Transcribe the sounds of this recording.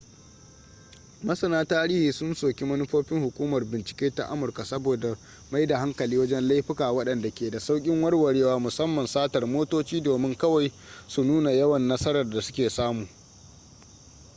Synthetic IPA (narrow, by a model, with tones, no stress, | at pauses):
mɐ˦sɐ˨naː˦taː˦ɾiː˦hiː˨sʊ˦nsoː˨kʲi˦mɐ˦nɪ˦ɸoː˦ɸɪ˦ŋhʊ˨kʷuː˦mɐ˨rbɪ˨nt͡ʃɪ̥˨kʲeː˦ta̰˨ʔa̰˦mʊ˨rka˨sɐ˦boː˨da˨ | ma˦jda˨ɦa˦ŋkɐ˨liː˦wɐ˦d͡ʒɛ˦nla˦jɸɪ˦kaː˨wɐ˦ɗɐ˨nda˨kʲeː˨da˨sa˦wkʲʼɪ˦ŋwɐ˦rwɐ˨ɽeː˦waː˦mʊ˨sɐ˦mːɐ˨nsaː˦tɐ˨rmoː˦toː˦t͡ʃiː˦doː˨mɪ˦ŋkɐ˦wa˨j | su˨nuː˦na˨jɐ˦wɐ˨nːɐ˦sɐ˦ɾɐ˨rda˨sʊ̥˦kʲeː˨saː˦muː˨